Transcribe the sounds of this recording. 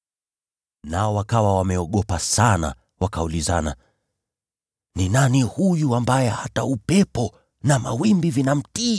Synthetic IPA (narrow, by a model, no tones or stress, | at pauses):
naɔwakawawamɛɔɠɔpasana̰ | wakaulizana̰ | ninanihujuambajɛhataupɛpɔ | namawimbivinam̩tiː